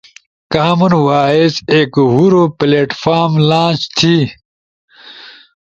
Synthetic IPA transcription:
kaːmunwaːezeːkɦuɾopleːʈfaːɾmlãːt͡ɕt̪ʰi

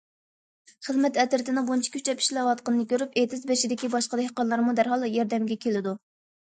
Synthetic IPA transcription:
χəzmɛt̪ɛt̪ɪɾt̪ɪnɨbont͡ʃʰi̥kʲʰy̥t͡ʃɛpʰi̥ʃlɛwɑt̪qənɨnɨkʲøɾypet̪ʰɪzbeʃid̪ɪkʲibɑʃqəd̪ehqɑnlˠɑɾmud̪æɾɦɑlˠjɑɾd̪ɛmɡʲɛkʲʰelɪd̪u

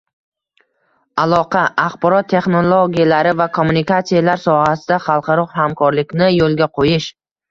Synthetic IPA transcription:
alˠɒqʰɑʔaχbɒɾɒt̪ʰːe̞χnolˠoɡʲijalaɾɪvakʰomːunikat̪sijalaɾsɒhasɪd̪aχɑlˠqʰɑɾɒqhamkʰɒɾlɪkʲnɪjolˠɡʲaqʰojɪʃ

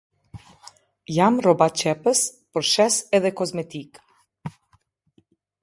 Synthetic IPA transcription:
jamɾɔbat͡ʃɛpəspɔɾʃɛsɛd̪ɛkozmɛt̪ik

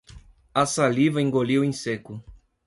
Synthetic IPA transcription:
ɐsalivɐẽŋɡolewẽj̃sekʊ

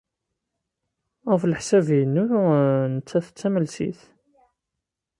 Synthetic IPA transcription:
ʁfləħsævjənːunət͡sːæθət͡sːæməlsḭθ

